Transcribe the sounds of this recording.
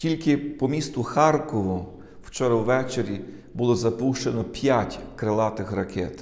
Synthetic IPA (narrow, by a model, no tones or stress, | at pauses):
tʲilʲkɪpɔmʲist̪ʊxɑrkɔʋʊ | w̥t͡ʃɔɾɐwʋɛt͡ʃeɾʲi | bʊlˠɔzɐpuʃt͡ʃenɔpʲjatʲkɾelˠɑt̪ɪxrɐkʰɛt̪